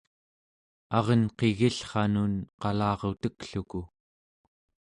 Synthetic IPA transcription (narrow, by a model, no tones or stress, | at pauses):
ɑʁənqeɣiɬχɑnunqɑlɑːʁot̪əkɬuku